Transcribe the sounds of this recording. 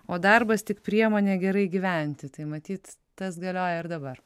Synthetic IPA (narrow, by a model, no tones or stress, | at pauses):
oːd̪ɐrbɐst̪ʲɪkpʲɾʲiɛmoːnʲeːɡʲɛɾɐɪɡʲiʋʲɛnʲt̪ʲɪt̪ɐɪmɐt̪ʲiːt̪ | t̪ɐsɡɐlʲoːjɛɪɾd̪ɐbɐr